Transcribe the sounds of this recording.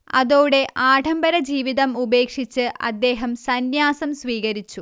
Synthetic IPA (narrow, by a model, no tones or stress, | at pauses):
ɐðoːɽe̞ʔaːʈɐmbɐɾɐd͡ʑiːʋiðɐmube̞ːkʂit͡ɕːɨʔɐ̰d̪ːe̞ːɦɐmsɐnjaːsɐmsʋiːɣɐɾit͡ɕːu